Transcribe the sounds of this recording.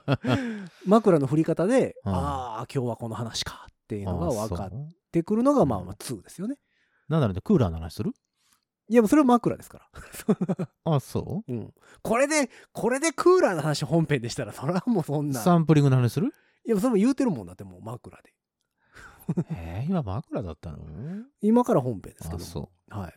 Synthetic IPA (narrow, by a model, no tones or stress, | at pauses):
makɯ̟ɾano̞ɸɯ̟ɾʲikat̪ad̪e̞aːkʲo̞ːβako̞no̞ɦanaɕi̥kʰḁt̪ːe̞jɯ̟no̞ɡaβakat̪ː | e̞kɯ̟ɾɯ̟no̞ɡama̰ːmat͡sɨːd̪e̞sɨjo̞ne̞ | nãnd̪aɾonekɯ̟ːɾa̰ːnoha̰naɕi̥sɨɾɯ̟ | jamoso̞ɾe̞βamakɯ̟ɾa̰d̪e̞sɨ̥kaɾaso | aso̰ːɯ̟̃ɴ | ko̞ɾe̞d̪e̞ | kʰo̞ɾe̞d̪e̞kʰɯːɾaːnohanaɕiɦõ̞mpẽ̞nd̪e̞i̥t̪aɾaso̞ɾamo̞sõ̞nːaaãmp̬ɯ̟ɾʲĩŋɡɯ̟nahanaɕisɨɾɯ̟ | jamos̬oɾemojɯːt̪e̞ɾɯ̟mõ̞nd̪at̪ːemo̰makɯ̟ɾa̰d̪̥e̞ | heimamakɯ̟ɾad̪a̰t̪ːa̰no̰imakaɾaɦõ̞mpẽ̞nd̪sɨ̥ked̪oso̰ː | ha̰i